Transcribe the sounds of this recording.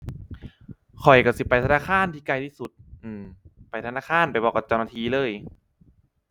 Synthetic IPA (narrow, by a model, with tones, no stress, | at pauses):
kʰɔ˨˩jka˧˩si˧˦pa˧jt̪ʰa˧naː˧˥˩kʰaː˧˥˨nt̪ʰiː˧˩kla˧˩jt̪ʰiː˧˩su˧˩˦t̪̚ʔɯː˧˩mpa˧jt̪ʰa˧naː˧˥˩kʰaː˧˥˩npa˨jbɔː˧˩kːa˧˩t͡ɕa˧wnaː˧t̪ʰiː˧˩lɤː˧˥˩j